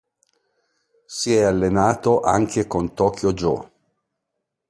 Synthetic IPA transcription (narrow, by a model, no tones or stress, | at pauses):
siɛalːenaːt̪oʔa̰ŋkʰekont̪ɔːkjod͡ʒɔ̰